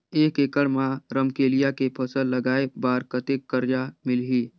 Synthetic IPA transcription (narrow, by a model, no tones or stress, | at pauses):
eːkekəɽmãɾəmkeːlijakepʰəsəlːəɡaːebaːɾkət̪ekːəɾd͡ʒamɪlɦiː